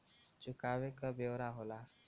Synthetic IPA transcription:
t͡ʃukaʋekəbewɾaɦola

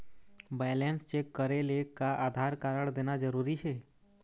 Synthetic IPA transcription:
balenst͡ʃekːəɾelekaʔaːd̪ʱaɾkaːɾəɳ̃d̪eːnad͡ʒəɾuːɾit͡ʃʰeː

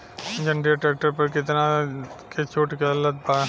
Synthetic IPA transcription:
d͡ʒɐnɖieʈɾɛːk̚ʈəɾpɐɾkɪt̪nakʰet͡ʃoːʈkelɐt̪̚ba

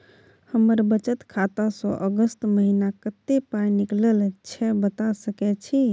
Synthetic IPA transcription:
həməɾbət͡ʃət̪kʰat̪asɔ̃ʔəɡəst̪məɦinakət̪ːepanikləlt͡ʃʰɛbət̪asəkɛt͡ʃʰi

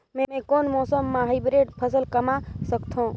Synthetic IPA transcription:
mẽmẽkoːnmɔːsəmːaːɦibɾeːʈpʰəsəlkəmasəkt̪ʰõ

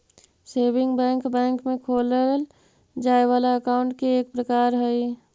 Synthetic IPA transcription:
seːbɪ̃ŋɡbɛ̃ːŋkbɛ̃ːŋkmẽkʰoːləl | d͡ʒaːeʋaːlaəkaʊɳʈ̚keːk̚pɾəkaːɾɦəi

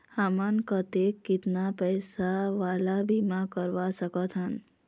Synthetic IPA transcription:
hamənkət̪ekːɪt̪napəjsaʋalabʱimãkəɾʋasəkət̪ɦən

